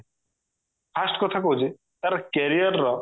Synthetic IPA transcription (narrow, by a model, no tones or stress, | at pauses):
pʰasʈkɔt̪ʰakod͡ʒi | t̪ɐɾkeɾijəɾːɔ